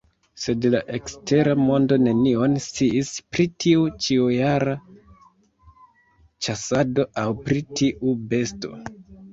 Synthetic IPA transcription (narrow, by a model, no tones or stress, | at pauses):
se̞dlaʔe̞kste̞ɾamo̞ndo̞ne̞nio̞nst͡siispɾitʰiut͡ʃiujaɾa | t͡ʃasado̞ʔawpɾitʰiʔube̞sto̞̰